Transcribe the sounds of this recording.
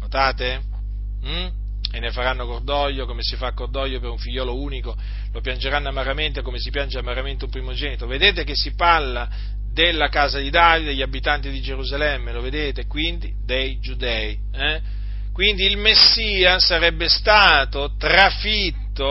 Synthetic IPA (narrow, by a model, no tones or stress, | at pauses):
not̪aːt̪e | m̩ | enːefaɾanːokord̪ɔjːokomesifakːord̪ɔjːopeɾuɱfiʎːɔːlouːniko | lopjand͡ʒeɾanːoamaɾament̪ekomesipjand͡ʒeamaɾament̪eumpɾimod͡ʒɛːnit̪oved̪eːt̪ekesːiparlːa | d̪elːakaːzad̪id̪aːvid̪d̪eʎːabːit̪ant̪id̪id͡ʒeɾuzalɛmːeloved̪eːt̪ekwind̪id̪ejd͡ʒud̪ɛi | ɛ | kwind̪iːlmesːiːasaɾɛbːest̪aːt̪ot̪ɾafit̪ːo